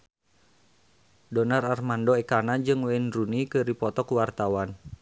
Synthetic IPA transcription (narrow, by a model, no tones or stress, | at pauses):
dɔnararmandoɛkanad͡ʒɨŋwɛinrunikɨɾipɔt̪ɔkuwart̪awan